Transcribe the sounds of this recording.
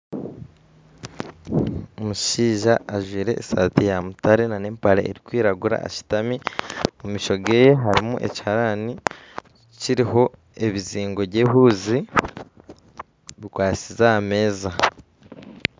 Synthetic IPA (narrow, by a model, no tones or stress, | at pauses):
omuʃiːʒaːʒwiːɾe̞ʔsa̰ːtijamutaɾe̞nane̞ːmpaɾḛʔeɾikwiːɾaɡuɾa̰a̰ʃi̥tamimumiʃo̞ɡe̞ːje̞ɦaɾimuʔe̞̰ci̥haɾani | ciɾiɦo̞ | e̞βiziːŋɡo̞βɟe̞ɦuːzi | βikwaːt͡sizame̞ːza